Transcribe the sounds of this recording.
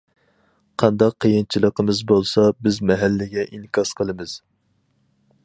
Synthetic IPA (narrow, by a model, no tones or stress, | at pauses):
qʰɑnd̪ɑqʰːəjɨnt͡ʃʰilˠəqəmɨzbolˠsɑbɪzmɛɦælːɪɡʲɛʔiŋkʲʰɑsqʰəlˠɨmɨz̥